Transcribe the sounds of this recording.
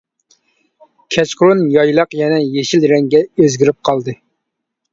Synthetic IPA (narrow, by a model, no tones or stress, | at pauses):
kʲʰɛt͡ʃqʊɾunjɑjlˠɑqjɛnɛjeʃilɾɛŋɡʲɛøzɡʲiɾɪp̚qʰɑlˠd̪ɨ